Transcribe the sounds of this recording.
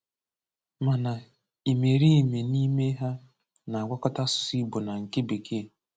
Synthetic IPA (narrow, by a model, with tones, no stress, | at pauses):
ma˨na˨ | i˨me˨ɾi˦˨me˨ni˦me˦ɦa˦ | na˨a˨ɡʷa˦kɔ˦ta˦sʊ̥˨si˦bʊ˨na˨ŋ̩˨kɪ˦be˨kʰe˦˨